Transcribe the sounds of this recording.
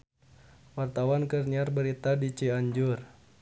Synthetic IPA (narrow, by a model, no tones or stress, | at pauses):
wart̪awankərniarbəɾit̪adit͡ʃiaɲd͡ʒur